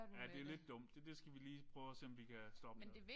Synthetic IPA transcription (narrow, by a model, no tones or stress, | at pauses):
jæd̥e̝æle̝d̥ːɔ̽m̰d̥ed̥e̝sɡ̥æʋiliːppʰʁœːʊɒse̝ɒ̽mʋikʰæsd̥ɒ̽b̥ən